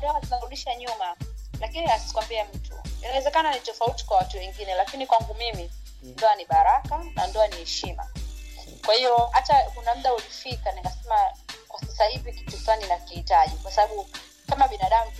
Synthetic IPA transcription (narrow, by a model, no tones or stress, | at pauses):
ndiaatunaɾuɗiʃaɲumalakiniasi̥kwambiam̩tṵḭnawɛzɛkananitɔfauti̥kwawatuwɛŋɡinɛlakinikwaŋɡumimi | ndɔaniɓaɾakanandɔanihɛʃima̰ | kwahiɔhatakunam̩ɗaulifikaninɡasɛmakwasasahiviki̥tusaninakiitaʄikwasaɓaɓu | kamaɓinaɗam̩